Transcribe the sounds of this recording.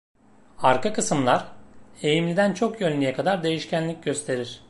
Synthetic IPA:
aɾkakɯsɯmlˠaɾe̞jimlʲid̪ænt͡ʃʰo̞kjønlʲijɛkʰad̪aɾd̪e̞jiʃcʰænlʲic̚ɟø̞st̪ʰe̞ɾiɾ̥

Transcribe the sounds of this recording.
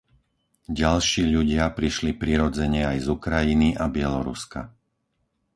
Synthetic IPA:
ɟalʃiːʎuɟɪapɾiʃlipɾiːɾɔd͡zɛɲɛajzukɾajiniʔabɪɛlɔɾṵska̰

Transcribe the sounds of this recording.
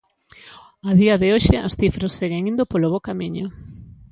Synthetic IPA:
aðiɐðɪoʃɪʔasθifɾɐsːeɣeŋĩnd̪ʊpoloβokamiɲʊ

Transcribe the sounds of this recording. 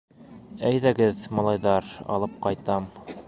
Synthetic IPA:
æjðæɡɘðmɑlˠɑjðɑɾɑ̰lˠɤp̚qɑjt̪ɑm

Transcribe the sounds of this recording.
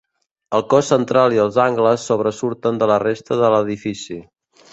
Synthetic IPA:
əlˠkɔsːənt̪ɾalˠiəlˠzaŋɡləsːoβɾəsuɾt̪ənd̪ələrest̪əðələðifisi

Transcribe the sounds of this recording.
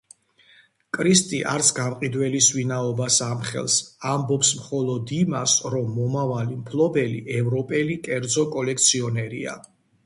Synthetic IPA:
kʼɾist̪ʼiʔa̰ɾt̪sʰɡamqʼid̪wɛlisvinaɔbasamχɛ̰lˠsambɔpsmχɔlˠɔd̪imasɾɔmːɔmavalimpʰlˠɔbɛlḭʔɛvɾɔpʼɛlikʼɛɾd̪zɔkʼɔlɛk̚ʰt̪sʰiɔnɛɾḭa̰

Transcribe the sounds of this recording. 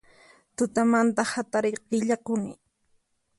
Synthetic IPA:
t̪ʊt̪amant̪ahat̪aɾɪqɪʎakʊnɪ

